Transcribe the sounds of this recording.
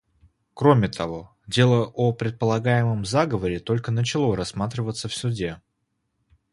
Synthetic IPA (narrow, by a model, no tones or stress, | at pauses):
kɾo̞mʲɪt̪ʰɐvo̞ | dʲe̞lˠəʔopɾʲɪt̪̚pəlˠɐɡajɪməmzaɡəvəɾʲɪt̪o̞lʲkənət͡ɕɪlˠo̞ɾɐsmat̪ɾʲɪvət̪səfsʲʊdʲe̞